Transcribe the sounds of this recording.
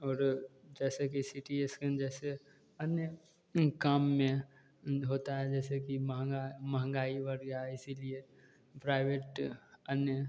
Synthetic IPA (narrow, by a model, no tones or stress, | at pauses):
ɔːɾd͡ʒɛːsekisiːʈiesked͡ʒɛːse | ənjə | kaːmːẽ | ɦoːt̪aɦɛd͡ʒɛːsekimɦɡaməɦə̃ŋɡaːiʋəɾɡaɪsilie | pɾaːɪʋeːʈənjə